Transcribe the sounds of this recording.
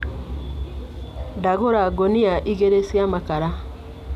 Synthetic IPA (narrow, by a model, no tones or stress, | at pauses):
daɣoɾaɡoniaʔiɣeɾesiamakaɾa